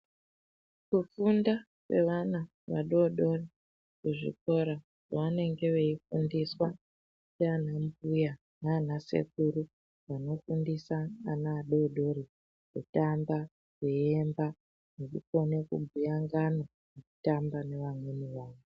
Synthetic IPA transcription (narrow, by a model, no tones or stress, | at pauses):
kufunda | kwe̞ʋana | ʋaɗoɗo̞ri | kuʐḭko̞ɾa | ʐoʋane̞ŋɡe̞ʋe̞ifundiswa | t͡ʃean̤ambuja | naːn̤ase̞̰k̚uɾu | ʋano̞fundisaːnaːɗoɗo̞ɾi | kutamba | keemba | nekukone̞kubʱujaŋɡana | neku̥tambane̞ʋamweniʋaːʋo